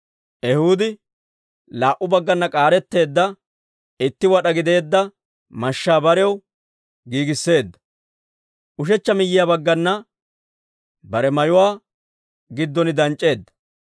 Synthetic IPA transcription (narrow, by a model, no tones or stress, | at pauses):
ʔɛhuːd̪ɪ | laːʔʊbɐɡːɐnːɐkʼaːɾɛt̪ːe̞ːd̪ːɐ | ɪt̪ːɪwɐɗɐɡɪd̪e̞ːd̪ːɐ | mɐʃːaːbɐɾɛw | ɡiːɡɪsːe̞ːd̪ːɐ̥ | ʔʊʃ̬ɛt͡ʃːɐmɪjːɪjabɐɡːɐnːɐ | bɐɾɛmɐjʊwaː | ɡɪd̪ːɔnɪd̪ɐnt͡ʃʼːe̞ːd̪ːɐ̥